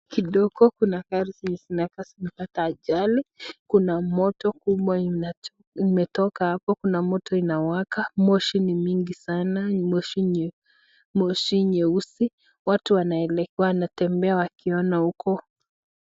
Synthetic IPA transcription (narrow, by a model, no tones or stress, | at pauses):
kiɗɔɡɔkunakaɾisiɲɛsinakasimɛpataːʄalikunamɔtɔkuɓwaia | imɛtɔkahapɔkunamɔtɔinawakamɔʃinimiŋɡisanamɔʃiɲ | mɔʃiɲɛusi | watuwanaɛlɛwanatɛmbɛawakiɔnahukɔ